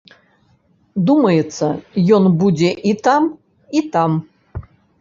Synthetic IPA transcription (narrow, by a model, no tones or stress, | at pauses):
d̪umɐjɛt̪sɐjɔnbud͡zʲeʔit̪am | it̪am